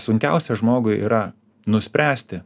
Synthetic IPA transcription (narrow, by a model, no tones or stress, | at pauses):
sʊŋʲkʲɛ̰ʊsʲɛʒmoːɡʊɪḭːɾɐ | nʊsʲpʲɾʲæːsʲt̪ʲɪ